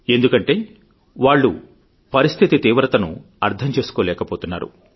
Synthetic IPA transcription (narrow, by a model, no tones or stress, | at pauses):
e̞nd̪ukɐɳʈe̞ː | ʋaːɭːṵ | pɐɾist̪ʰit̪it̪iːʋɾɐt̪ɐnṵ | ɐɾt̪ʰɐmt͡ʃe̞ːsu̥koːlɛːkɐpoːt̪unːa̰ːɾṵ